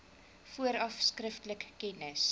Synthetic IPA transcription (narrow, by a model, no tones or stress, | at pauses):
fuəɾɐfskrəftləkːɛnəs